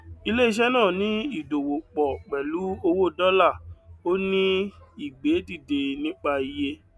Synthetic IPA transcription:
i˧le˦i˦˧ʃ̬ɛ˦nãː˦˨nĩ˨˦i˦˨do˨wo˨k͡pɔ˨k͡pɛ˨lu˨˦o˧wo˦dɔ˦la˦˨o˦nĩ˦i˨ɡ͡beː˨˦di˦˨de˨˧nĩ˦k͡pa˧i˧je˦

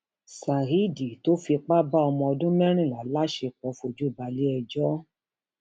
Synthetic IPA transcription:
sa˨ɦi˦di˨to˦fi˧k͡pa˦ba˦ɔ˧mɔ̃˧ɔ˧dũ˦mɛ˦ɾ̃ĩ˦˨la˨˦la˦ʃe˧k͡pɔ˨˦fo˧d͡ʒu˨˦˨ba˧le˦ɛ˧d͡ʒɔ˦

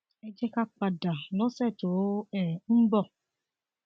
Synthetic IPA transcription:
ɛ˦d͡ʒɛ˦ka˦k͡pa˨da˨lɔ˦sɛ˦˨to˨˦ɛ˨m̩˦bɔ˦˨

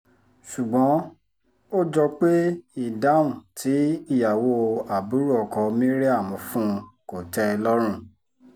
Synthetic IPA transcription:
su˨ɡ͡bɔ̃˨˦ | o˦d͡ʒɔ˧k͡pe˦i˦˨da˨˦ũ˨tʰi˨˦i˦˨ja˨wo˧a˨bu˨˦ɾu˦ɔ˨kɔ˧mĩ˦ɾe˦a˦˨mɔ̃˨˧˦fũ˦˧ko˨tɛ˦˧lɔ˦ɾ̃ũ˦˨

